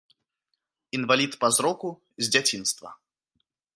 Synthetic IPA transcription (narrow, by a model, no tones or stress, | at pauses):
ɪnvɐlʲit̪pɐzɾɔkʊ | zʲdʲatʲinst̪vɐ̰